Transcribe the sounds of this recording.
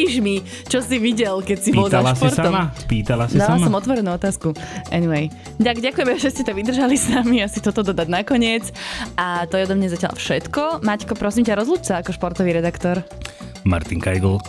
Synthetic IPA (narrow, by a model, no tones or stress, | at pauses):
iʒmi | t͡ʃɔsiʋiɟɛlkɛcsibɔlzaalʃaspiɾtsaɔmapiːt̪alasdiaalasɔmɔt̪ʋɔɾɛnuːɔt̪aːskuʔɛniʋɛj | d̪aɡɟakujɛmɛʒɛscɛt̪ɔʋid̪r̩ʒalisnamiasit̪ɔt̪ɔd̪ɔd̪aɟnakɔɲɪɛt͡sʔat̪ɔjɛɔd̪ɔmɲazaca̰lfʃɛt̪kɔmackɔpɾɔsiːmcaɾɔzluːt͡ʃ̚t͡saːkɔʃpɔɾt̪ɔʋiːɾɛd̪akt̪ɔɾ | ma̰ɾt̪iŋka̰jd̪l̩